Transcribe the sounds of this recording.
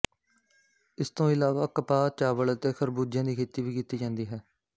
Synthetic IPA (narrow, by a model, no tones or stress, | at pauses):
ɪst̪õːɪlaːʋaːkəpaːt͡ʃaːʋəɭət̪eːxʰəɾbuːd͡ʒjãːd̪iːkʰeːt̪iːʋiːkiːt̪iːd͡ʒãːnd̪iːɦɛː